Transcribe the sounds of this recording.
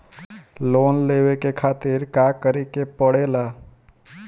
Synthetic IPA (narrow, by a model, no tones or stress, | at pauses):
loːnleːʋekekʰaːt̪ɪɾkaːkəɾekepəɽeːlaː